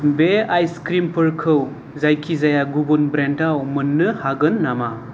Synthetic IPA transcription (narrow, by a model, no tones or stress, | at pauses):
beajskɾimpʰɯɾkʰɯw | zajkʰizajaɡubunbɾentawmɯnːɯhaɡɯnːama